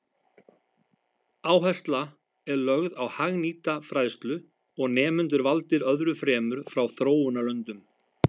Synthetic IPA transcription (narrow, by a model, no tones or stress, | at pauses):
aːwɦɛst̪la | ɛɾlœɣðawhaɣniːt̪afɾajðst̪lʏ | ɔɣnɛːmʏnt̪̬ʏɾvalt̪ɪɾœðɾʏfɾɛːmʏɾ̥fɾawθɾoːwʏnalœnt̪ʏm